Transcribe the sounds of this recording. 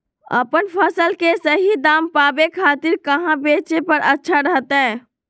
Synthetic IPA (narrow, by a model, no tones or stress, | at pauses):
ə̰pənpʰəsəlkesəɦid̪ampabekʰat̪iɾkəɦãbet͡ʃepəɾətːʃʰaɾəɦt̪ɛ̃